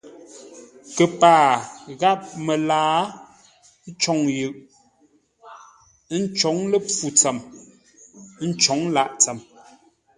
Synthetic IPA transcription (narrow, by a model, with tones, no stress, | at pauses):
kə˨paː˨ɣa˦p̚mə˨laː˨˦ | n̩˦t͡ʃɔ˨ŋjʉ˨ʔ | n̩˦t͡ʃɔ˨˦ŋlə˦p͡fu˨t͡sɛ˨m˦ | n̩˦t͡ʃɔ˨˦ŋ˦la˦ʔt͡sɛ˨m